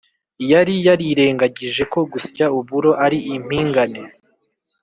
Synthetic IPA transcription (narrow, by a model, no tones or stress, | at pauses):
jaɾijaɾiɾe̞ːŋɡaɟiʒe̞ko̞ɡuscauβuɾo̞ʔaɾiʔim̥hiːŋɡane